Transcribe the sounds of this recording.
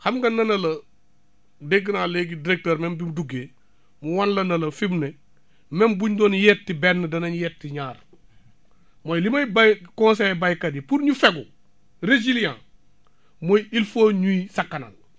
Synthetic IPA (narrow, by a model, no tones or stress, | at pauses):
hamɡɐnːɐnɐlɐ | deɡinaːleɡidiɾek̚teːɾmembimduɡeː | muwanlɐnɐlɐfibne | membuɲdoːnjetːibenːɐdɐnɐɲjetːiɲaːɾ | mojlimajbajkõnsebajkadipuɾɲufeɡu | ɾed͡ʒiljã̰ː | mojilfoɲuisakːana̰l